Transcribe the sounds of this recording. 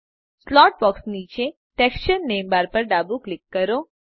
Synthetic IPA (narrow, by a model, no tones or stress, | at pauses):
slɔʈ̚bɔksniːt͡ʃe | ʈeksʃənːembaɾpəɾɖabuklɪkːəɾo